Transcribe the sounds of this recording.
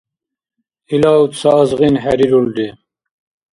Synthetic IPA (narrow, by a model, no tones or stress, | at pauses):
ilaut̪saːzʁinħæɾiɾuld̪i